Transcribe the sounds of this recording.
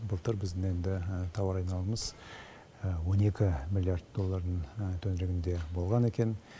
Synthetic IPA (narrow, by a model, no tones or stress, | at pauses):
bəlˠt̪əɾbɪzd̪ɪŋe̞nd̪ɪt̪ʰɑwɑɾɑjnɑlˠəməz̥ | wo̞ne̞kʲɪmʲilʲˠijard̪d̪o̞lˠːaɾd̪əɴt̪ʰɵnɪɾeɡʲɪnd̪e̞bo̞lˠʁɑne̞kʲe̞n